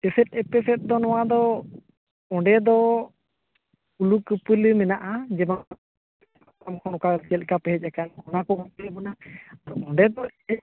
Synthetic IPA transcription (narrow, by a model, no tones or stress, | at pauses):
ɛsɛt̪̚ˀɛpɛsɛt̪̚d̪ɔnɔwad̪ɔ | ɔɳɖɛd̪ɔ | ulukəpəlmɛnaʔad͡ʒɛba | aamkʰɔnɔkat͡ʃɛl̚kapɛɦɛc̚ˀakankɔnakɔbɔt̪ɛbɔnaaɾɔɔ̃ɳɖɛd̪ɔɛ